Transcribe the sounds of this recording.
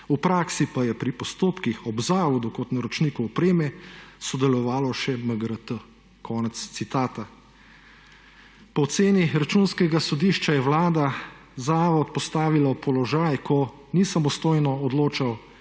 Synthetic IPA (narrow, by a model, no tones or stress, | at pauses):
upɾaːksipajɛpɾipɔst̪oːpkixɔbzaːʋɔd̪ukɔt̪naɾɔt͡ʃnikuɔpɾeːmɛsɔd̪ɛlɔʋaːlɔʃɛməɡɾət̪ə | kʰɔːnɛt̪st̪sit̪aːt̪a | pɔːt̪seːniɾat͡ʃunskɛɡasɔd̪iːʃt͡ʃajɛwlaːd̪a | zaːʋɔt̪pɔst̪aːʋilapɔlɔʒaːjkʰɔ | nisamɔst̪oːjnɔɔd̪loːt͡ʃaw